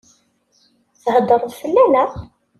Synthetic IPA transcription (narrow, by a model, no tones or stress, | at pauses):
θhəd̪ˤːəɾˤəðˤfəlːænəʁ